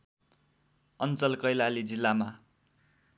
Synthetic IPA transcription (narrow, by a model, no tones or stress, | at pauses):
ʌnt͡sʌlkʌjlalid͡zilːama